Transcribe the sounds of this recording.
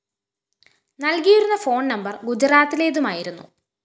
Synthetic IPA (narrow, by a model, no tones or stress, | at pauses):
nɐlkijiɾunːɐfo̞ːɳnɐmbɐrɡud͡ʑɾaːt̪ːile̞ːðumaːjiɾunːṵ